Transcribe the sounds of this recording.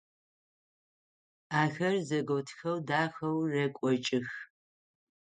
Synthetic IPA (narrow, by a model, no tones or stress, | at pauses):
aːxɐrzɐɡowtʰxɐwdaːxɐwrɐkʷʼɔt͡ʃʼɪx